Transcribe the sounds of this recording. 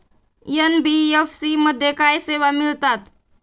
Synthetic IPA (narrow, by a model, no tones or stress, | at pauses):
jənbiefsiməd̪ʱjekaːjseːʋamɪlt̪at̪